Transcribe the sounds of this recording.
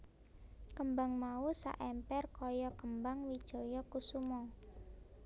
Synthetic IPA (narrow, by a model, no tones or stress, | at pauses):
kəmbaŋmausa̰ʔɛmpɛrkɔjɔkəmbaŋwid̥ʒ̥o̤jɔkusumɔ